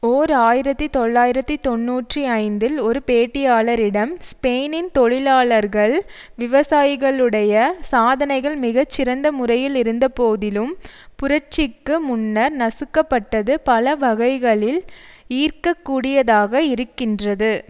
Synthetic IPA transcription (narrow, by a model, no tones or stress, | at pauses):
oːɾaːjɪɾɐt̪ːɯt̪ɔɭːaːjɪɾɐt̪ːɯt̪ɔnːuːʈriɐɪnd̪ɪlɔɾɯpeːʈːɪjaːɭɐɾɪɽɐmspeːnɪnt̪ɔɻɪlaːɭɐɾɣɐɭ | ʋɪʋɐsaːjɪɣɐɭɯɽɐjɐsaːðɐnɐɪɣɐɭmɪɣɐt͡ʃːɪɾɐnd̪ɐmʊrɐjɪlɪɾɯnd̪ɐpoːðɪlɯmpʊɾɐt͡ʃɪkːɯmʊnːɐɾnɐsɯkːɐpːɐʈːɐðɯpɐlɐʋɐɣɐɪɣɐɭɪliːrkɐkːuːɽɪjɐðaːɣɐɪɾɯkːɪndrɐðɯ